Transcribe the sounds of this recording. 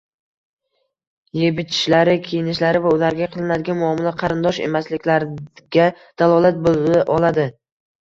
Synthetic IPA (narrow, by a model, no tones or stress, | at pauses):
je̞bɪt͡ʃʰɪ̥ʃlaɾɪkʲʰejɪnɪʃlaɾɪvaʊlaɾɡʲaqʰɨlˠɪnad̪ɪɡʲanmʊɒːmɪlaqʰɑɾɪnd̪ɒʃe̞̰maslɪkʲlaɾɡʲa | d̪̥alˠɒlˠat̪̚bolˠɪʔɒlˠad̪ɪ